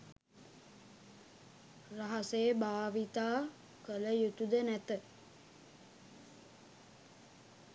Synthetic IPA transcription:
raɦɐsejəbaːʋit̪aː | kələjut̪ud̪ənæt̪ə

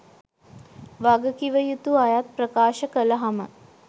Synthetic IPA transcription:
ʋaɡəkiʋəjut̪uajat̪̚prəkaːʃəkələɦamə

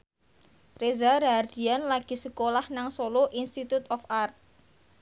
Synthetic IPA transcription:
rezarɦard̪̥i̤anlaɡ̥i̤səkolahnaŋsoloʔinst̪it̪ut̪ɔfart̪̚

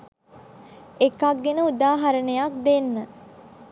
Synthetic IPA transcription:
ekɐkːenəud̪aːɦɐɾənəjak̚d̪enːə

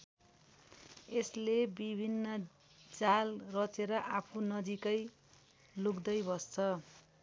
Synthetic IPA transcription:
eslebibʱinːʌ | d͡zalrʌt͡seɾʌʔapʰunʌd͡zikʌj | lukd̪ʌjbʱʌst͡sʰʌ

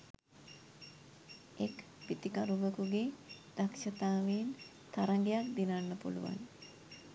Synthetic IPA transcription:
ek | pit̪ikaɾuʋəkuɡed̪̥akʃɐt̪aːʋen | t̪aɾaŋɡejak̚d̪inanːəpṵlṵʋa̰n

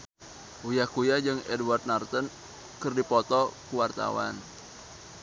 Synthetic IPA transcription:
ujahkujad͡ʒɨŋɛdwart̪̚nart̪ɔn | kɨrdipɔt̪ɔkuwart̪a̰wa̰n

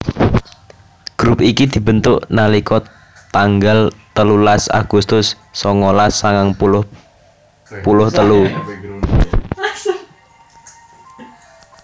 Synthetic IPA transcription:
ɡ̥ɾupikid̪̥i̤b̥ə̤nt̪ʊʔnalikɔ | t̪aŋɡalt̪əlulasa̰ɡ̥ust̪ʊsː | ɔŋɔlasːaŋaŋp | pulʊht̪əlu

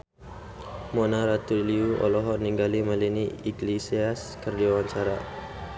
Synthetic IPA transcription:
mɔnaɾat̪uliuʔɔ̰lɔɦɔniŋɡaliməliniiɡlisiaskərdiawaɲt͡ʃaɾa

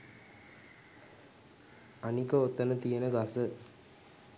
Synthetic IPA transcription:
ɐnikəot̪ːɐnət̪ijenəɡasə

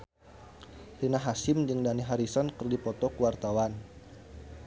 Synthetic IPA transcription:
linaɦasɪmd͡ʒɨŋdaniɦaɾisɔnkɨrdipɔt̪ɔkuwart̪awan

